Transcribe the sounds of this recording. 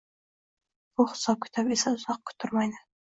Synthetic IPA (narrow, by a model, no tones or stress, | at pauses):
bʊχʊ̥sɑp̚kʰʲʊ̥t̪ʰapesaʊzɑq̚kʲʰʊ̥t̪ʰʊɾmɑjnə